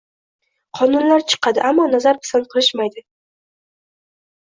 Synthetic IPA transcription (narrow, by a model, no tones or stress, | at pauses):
qʰɒnʊnlaɾt͡ʃʰɨ̥qʰɑd̪ɪ̰ʔamːɒnazaɾpʰɪ̥sanqʰɨlˠɪʃmajd̪ɪ